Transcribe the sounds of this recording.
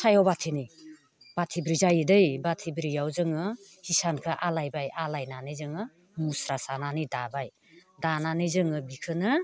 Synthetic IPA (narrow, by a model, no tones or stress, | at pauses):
sajɔbatʰinij | b̥atʰibɾizajdɯjbatʰibɾijawzɯŋɯ | hisankʰɯʔalajbajʔalajnanɯjzɯŋɯ | musɾasananidabaj | dananɯjzɯŋɯbikʰɯnɯ